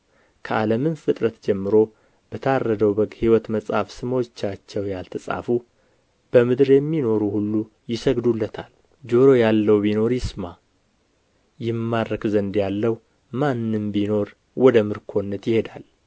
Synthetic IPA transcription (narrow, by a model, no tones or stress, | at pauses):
kʰəʔaləmɨnfɨt̪ʼɾət̪d͡ʒɛmːɨɾo̞ | b̥ət̪ʰarːəd̪əwbəɡhiwɔt̪məsʼafsɨmot͡ʃːat͡ʃːɛwjalt̪ʰəsʼa̰fu | b̥əmɨd̪ɨɾjɛmːino̞ɾuhulːu | jɪsəɡd̪ulːət̪ʰal | d͡ʒo̞ɾo̞jalːəwbino̞ɾjɪsma | jɪmːaɾəkzənd̪jalːəw | manːɨmbino̞ɾ | wɔd̪əmɨɾkʰo̞nːət̪jɪhe̞d̪al